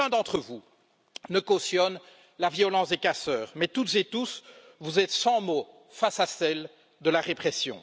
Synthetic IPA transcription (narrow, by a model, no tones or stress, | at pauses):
ɛ̃d̪ɑ̃t̪χəvu | nəkosjɔn | lavjɔlɑ̃sd̪ekasœːʁmɛt̪ut̪zet̪us | vuzɛt̪sɑ̃mo | fasasɛl | d̪əlaʁepχɛsjɔ̰̃